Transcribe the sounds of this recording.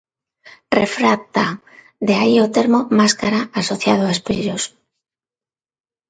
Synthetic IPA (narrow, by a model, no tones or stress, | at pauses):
rḛfɾak̚t̪a | d̪eaiot̪eɾmomaskaɾaasoθjað̞oaespiʎos